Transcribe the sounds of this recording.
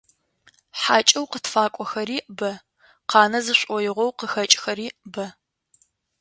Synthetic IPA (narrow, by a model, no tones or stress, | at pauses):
ħaːt͡ʃʼɐwqətfaːkʷʼɔxɐɾiːʔbɐ | qɑːnɐzɨɕʷʼɔjɪʁʷɔwqəxɐt͡ʃʼxɐɾiːʔbɐ